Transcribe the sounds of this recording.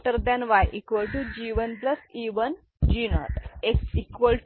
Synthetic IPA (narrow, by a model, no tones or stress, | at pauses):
ʈəɾd̪ɛ̃nʋajʔikʋəlʈud͡ʑiʋənpləsiːʋən | d͡ʑinɔ̰ʈekikʋəlʈ